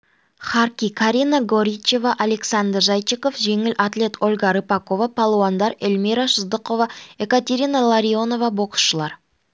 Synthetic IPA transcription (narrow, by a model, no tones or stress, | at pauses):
χaɾkʲikʰaɾʲinaɡo̞ɾʲit͡ʃe̞vɑʔale̞ksand̪rʒajt͡ʃikofʒe̞ŋɪlʔat̪le̞t̪o̞lʲˠɡɑɾəpako̞vapʰalˠoand̪ɑɾelmiɾaʃəzd̪əqo̞vɑekat̪ʲe̞ɾʲinalˠaɾʲio̞no̞vɑbo̞qə̥sʃəlˠɑɾ